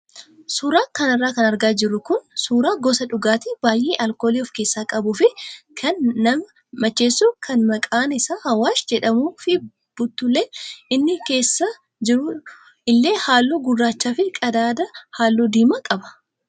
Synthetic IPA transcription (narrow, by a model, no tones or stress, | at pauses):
suːɾaːkɐnɪrːaːkɐnɐɾɡaːd͡ʒɪrːʊkʊnsuːɾaːɡɔsɐᶑʊɡaːt̪ɪbaːjʔeːʔɐlko̞ːliːɔfke̞ːsːaːkʼɐbʊfɪkʰɐnːɐm | mɐt͡ʃːe̞ːsːuːkʰɐnmɐkʼaːnɪsaːhɐwaːsd͡ʒɛᶑɐmuːfɪ | b̥ʊt̪ːʊlːeːɪnːɪke̞ːsːɐ | d͡ʒɪɾʊ | ɪlːe̞ːhaːlːuːɡʊrːaːt͡ʃːaːfɪkʼɐd̪aːd̪ɐhaːlːud̪iːmɐkʼɐbɐ̥